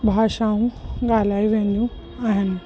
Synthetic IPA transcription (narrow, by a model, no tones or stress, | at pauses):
bʱaːʃaũɡaːlaːiʋẽnd̪jũ | aːɦen